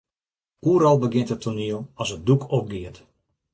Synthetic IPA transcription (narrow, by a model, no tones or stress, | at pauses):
uːəɾɔlˠbəɡɪntətʰoniəlˠɔsət̚dukʰɔp̚ɡɪət